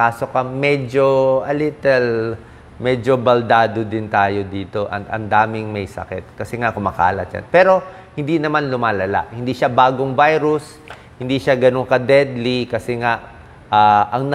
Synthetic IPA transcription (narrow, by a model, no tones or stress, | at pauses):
aːso̞kɐmɛd͡ʒoʔɐlɪt̪ɛl | mɛd͡ʒobɐld̪aːd̪od̪ɪnt̪aːjo̞d̪iːt̪o̞ʔɐt̪ɐ̰nd̪aːmɪŋmɐjsɐ̰kɛt̪̚kɐsɛŋakʊmaka̰ːlɐt̪̚d͡ʒa̰npɛːɾo̞ | hɪnd̪inɐmanlʊmaːlɐla̰ʔhɪnd̪iʃabaːɡoŋvajɾʊs | hɪnd̪iʃaɡɐnoŋkɐd̪ɛd̪likɐsɛŋaʔ | ʔaːʔɐŋnɐ